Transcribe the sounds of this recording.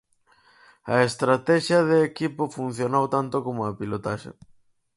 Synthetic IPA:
ɐest̪ɾat̪ɛʃjɐðeːkipofun̟θjonowt̪ant̪okomoapilot̪aʃḛ

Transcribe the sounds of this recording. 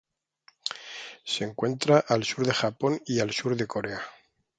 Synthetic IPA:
se̞ŋkwe̞nt̪ɾaʔalsuɾðe̞xapo̞nialsuɾðe̞ko̞ɾe̞a

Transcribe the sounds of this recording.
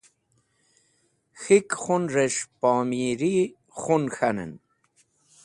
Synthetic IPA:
xikχunɾeʂpaːmiɾi | xunxanə̰n

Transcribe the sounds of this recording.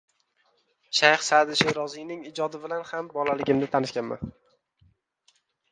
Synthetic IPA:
ʃajhsad̪ɪʃɪɾɒzijnɪŋɪd͡ʒɒd̪ɪbɪlanhambɒlalɪɡʲɪmnɪt̪ʰanɪʃkʲanma̰n

